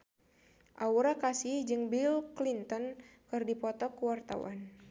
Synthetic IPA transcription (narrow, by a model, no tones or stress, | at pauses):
ʔauɾakasihd͡ʒɨŋbilklint̪ɔnkɨrdipɔt̪ɔkuwart̪a̰wa̰n